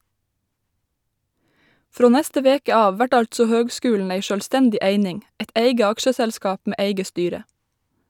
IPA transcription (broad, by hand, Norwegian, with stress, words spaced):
ˈfɾoː ˈnæstə ˈʋeːkə ˈɑːʋ ˈʋæʈ ˈɑʎtsɔ ˈhøːɡˌskʉːln̩ ˈeɪ ˈʃøːlstɛndɪ ˈʔeɪnɪŋ ˈɛt ˈeɪɡə ˈɑkʃəsælˌskɑːp ˈmeː ˈʔeɪɡə ˈstyːɾə